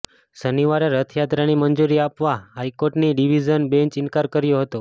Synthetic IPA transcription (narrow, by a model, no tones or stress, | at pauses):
səniʋaɾaɾət̪ʰjat̪ɾanimənd͡ʒuɾiapʋaɦajkoɾʈniɖiʋid͡ʒənbẽɲt͡ʃinkaɾkəɾjoɦət̪o